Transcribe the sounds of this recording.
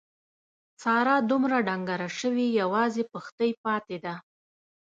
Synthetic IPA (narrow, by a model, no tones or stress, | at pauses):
t͡sɑɾɑd̪umɾaɖaŋɡaɾaʃəwijawɑzepəxt̪əjpɑt̪ed̪a